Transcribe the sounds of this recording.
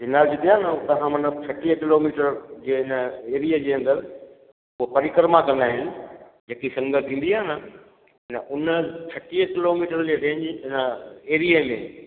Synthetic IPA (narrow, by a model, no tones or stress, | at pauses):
ɪnaːld͡ʑɪd̪iaːnət̪ɐɦãmɐnət͡ɕʰɐʈiːəkɪloːmiːʈəɾd͡ʑeːɦɪnəeːɾiəd͡ʑeːɐ̃nd̪əɾ | ʊɦopɐɾɪkəɾmakɐ̃nd̪aːɦɪnɪ̆ | d͡ʑeːkisɐ̃ŋɡət̪ʰĩːn̆d̪iaːnə | ɦɪnəʔʊnət͡ɕʰɐʈiːəkɪloːmiːʈəɾd͡ʑeɗẽːɪ̃ɲd͡ʑɪɪnəeːɾijəmḛ̃